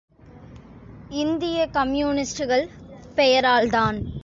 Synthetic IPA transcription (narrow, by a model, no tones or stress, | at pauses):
ɪnd̪ɪjɐkɐmjuːnɪsʈɯɣɐɭpɛjɐɾaːlt̪aːn